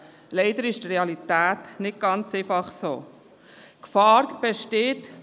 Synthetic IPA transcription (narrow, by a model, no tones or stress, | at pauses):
lɛɪd̥əɾɪʃt̪reɑlitæːt̪nɪɡ̚ɡ̥ɑnt͡sefɑχso̰ː | kfɑːɾb̥ɛʃteːt